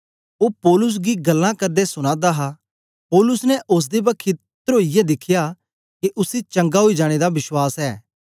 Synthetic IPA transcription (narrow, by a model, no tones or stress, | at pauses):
oːpɔːlʊs̬ɡiɡɐlːãkɐɾd̪esʊɽ̃ãːd̪aːɦa | pɔːlʊsnɛʔʊs̬d̪ebɐkʰːɪ | t̪ɾoːijɛd̪ɪkʰɪjaː | keʔʊsit͡ʃɐ̃ŋɡaɦoːid͡ʒaːɽ̃ed̪aʋɪʃwaːsɛː